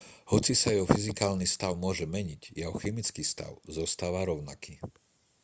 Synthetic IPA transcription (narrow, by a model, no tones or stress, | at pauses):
hɔt͡sisajɛɦɔfizikaːlnist̪aʊmʊɔʒɛmɛɲiɟjɛɦɔxɛmit͡skiːst̪a̰ʊzɔst̪aːʋaɾɔʊnakiː